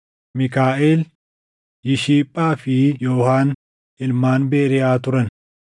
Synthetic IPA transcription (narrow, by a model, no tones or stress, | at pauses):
mɪkaːʔeːl | jɪʃiːpʼːaːfɪjoːhaːn | ʔɪlmaːnbeːɾɪjaːt̪ʊɾɐn